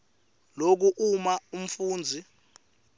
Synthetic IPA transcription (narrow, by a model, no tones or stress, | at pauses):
lok̬uʔumaum̩fuːnd͡zʱi